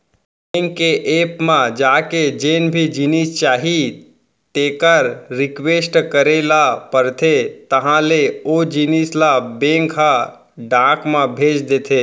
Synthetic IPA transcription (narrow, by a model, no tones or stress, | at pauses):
beːŋkːeʔeːpmãd͡ʒaːked͡ʒeːnbʱid͡ʒinist͡ʃaːɦi | t̪eːkəɾɾɪkweːsʈkəɾelapəɾt̪ʰet̪əɦãleod͡ʒiniːslabẽːŋkɦã | ɖãːkmãbʱeːt͡ʃd̪eːt̪ʰe